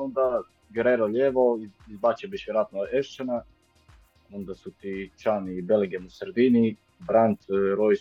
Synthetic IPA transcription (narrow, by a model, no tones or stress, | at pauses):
ond̪a | ɡɾeɾoʎeʋoiizbat͡ʃebiʃʋjeɾoaːt̪noeʃt͡ʃana | ond̪asut̪it͡ʃanibeleŋɡemusɾed̪ini | bɾant̪ɾoj